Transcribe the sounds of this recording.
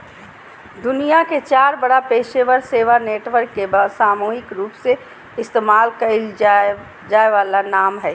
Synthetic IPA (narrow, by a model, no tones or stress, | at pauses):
d̪ʊnijaket͡ʃaːɾbɐɽapeːʃeʋəɾseːʋaneːʈʋəɾkːebɐsaːmuːɦɪkɾuːpse | ɪst̪eːmaːlkɐɪl | d͡ʒaːeʋaːlanaːmɦɛː